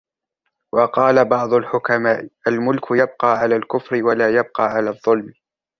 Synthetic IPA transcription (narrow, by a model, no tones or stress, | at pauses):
wɑqɑːlabɑʕd̪ˤʊlħʊkamaːʔʔalmʊlkʰʊjab̚qɑːʕalaːlkʊfɾɪwalaːjab̚qɑːʕalaːðˤːʊlm